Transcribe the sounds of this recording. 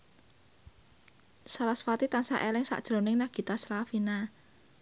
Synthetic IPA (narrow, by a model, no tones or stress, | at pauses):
salasfat̪it̪ansa̰ʔelɪŋsa̰ʔd̥ʒ̥ɾo̤nɪŋnaɡ̥i̤t̪aslafina